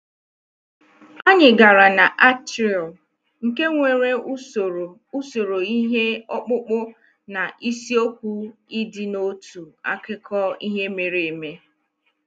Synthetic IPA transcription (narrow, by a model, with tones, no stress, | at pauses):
a˦ɲɪ˨ɡa˨ɾa˨na˨ʔa˦tɾɔ˨ | ŋ̩˨ke˦ŋʷe˨ɾe˦u˦o˨ɾo˨ | u˦so˨ɾo˨i˦ɦe˦ɔ˦k͡pʊ˦k͡pʊ˦ | na˨ʔi˦si˦o˦k̚ʷu˦i˦dɪ˦no˦tu˨a̰˦kɪ˦kʰɔ˦i˦ɦe˦me˨ɾe˨e˨me˦